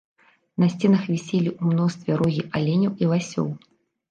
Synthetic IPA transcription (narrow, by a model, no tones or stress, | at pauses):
nɐsʲt͡sʲɛnɐxvʲisʲelʲiʔumnɔst̪vʲɛɾɔɣʲiʔalʲenʲɐwilˠasʲɔ̰w